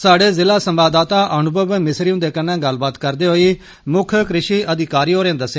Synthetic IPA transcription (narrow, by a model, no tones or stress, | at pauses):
saːɖeːzɪlaːsəmbaːd̪aːt̪aːʔəɳʊbəbmɪsɾiːũːd̪eːkənãːɡəlbaːt̪kəɾd̪eːɦoːiː | mʊkʰkɾɪʃiːʔəd̪ɪkaːɾiːɦoːɾeãːd̪əsːe